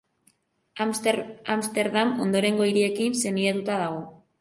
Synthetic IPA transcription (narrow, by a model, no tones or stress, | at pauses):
amst̪e̞ɾðamo̞̰nd̪o̞ɾe̞ŋɡo̞iɾie̞kinse̞niat̪ut̪aðaɣ̞o̞